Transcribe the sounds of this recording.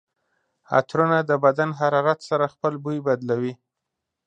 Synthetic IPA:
a̰t̪ɾunad̪əbad̪anɦaɾɑɾat̪saɾaxpəlbujbad̪lawi

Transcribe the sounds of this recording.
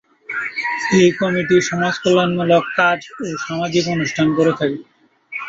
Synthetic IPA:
ejkɔmiʈ̬iʃɔmad͡ʑkolonmulokːad͡ʑoʃamad͡ʑikonuʃʈʰankoɾet̪ʰake

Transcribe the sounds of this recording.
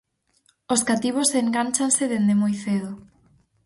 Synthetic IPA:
oskat̪iβ̞oseŋɡant͡ʃanseðend̪emojθeð̞ʊ

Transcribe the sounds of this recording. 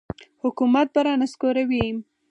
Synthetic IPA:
hʊkumat̪̚baɾɑnaskoɾawim

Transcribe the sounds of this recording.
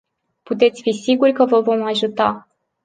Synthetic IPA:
put̪e̞t̪sʲfisiɡurʲkəvəvo̞maʒut̪a

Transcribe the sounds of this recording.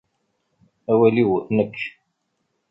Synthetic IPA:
æwæliwnəkː

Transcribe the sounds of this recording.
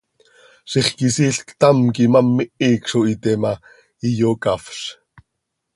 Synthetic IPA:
ʃiχkisiːɬkt̪ɑmkimamːiʔikʃoit̪ɛma | ijokafɬ

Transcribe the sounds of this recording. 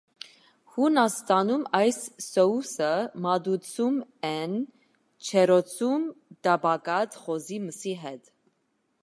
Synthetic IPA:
hunɑst̪ɑnumɑjsːɔusəmɑd̪ut͡sʰumɛn | t͡ʃʰɛɾɔt͡sʰumd̪ɑbɑkɑt͡sχɔziməsiɦɛt̪

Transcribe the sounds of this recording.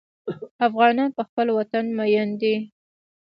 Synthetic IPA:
afɣɑnɑnpəxpəlwat̪anmajand̪i

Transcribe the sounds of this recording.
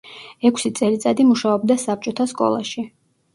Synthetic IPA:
ɛkʰsit̪sʼɛlit̪sʼad̪imuʃaɔb̚d̪asap̚t͡ʃʼɔt̪ʰaskʼɔ̰lˠa̰ʃi

